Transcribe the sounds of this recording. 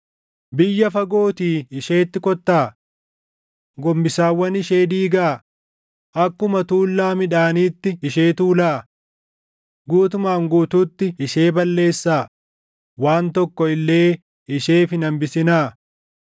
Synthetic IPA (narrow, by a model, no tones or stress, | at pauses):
bɪjːɐfɐɡo̞ːt̪iːɪʃe̞ːt̪ːɪkɔt̪ːaː | ɡɔmbɪsaːwːɐnɪʃe̞ːd̪iːɡaː | ʔɐkːʊmɐt̪uːlːaːmɪᶑaːniːt̪ːɪɪʃe̞ːt̪uːlaː | ɡuːt̪ʊmaːŋɡuːt̪uːt̪ːɪɪʃeːbɐlːe̞ːsːaː | waːnt̪ɔkːɔɪlːe̞ː | ɪʃe̞ːfɪnɐmbɪsɪnaː